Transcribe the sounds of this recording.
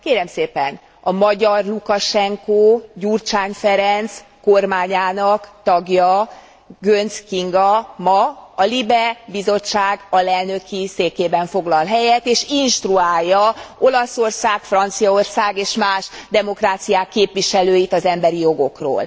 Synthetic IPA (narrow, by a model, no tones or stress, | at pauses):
keːɾɛmseːpɛ̰n | ɒmɒɟɒrlukɒʃɛŋkoːɟurt͡ʃaːnfɛɾɛnt̪s | ko̞rmaːɲaːnɒkt̪ɒɡjɒ | ɡønskiŋɡɒmɒɒlibɛbizo̞t͡ʃːaːɡɒlɛlnøkʰiseːkeːbɛɱfo̞ɡlɒlɦɛjɛt̪eːʃinʃt̪ruaːjːɒo̞lɒso̞rsaːkfrɒnt̪sijɒo̞rsaːɡeːʃmaːʒd̪ɛmo̞kraːt̪sijaːkːeːpʋiʃɛløːjit̪ɒzɛmbɛɾijo̞ɡo̞kro̰ːl